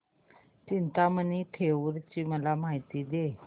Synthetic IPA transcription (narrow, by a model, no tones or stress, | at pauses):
t͡ɕint̪aməniːʈʰeʋəɾt͡ɕiːməlamajt̪iːd̪e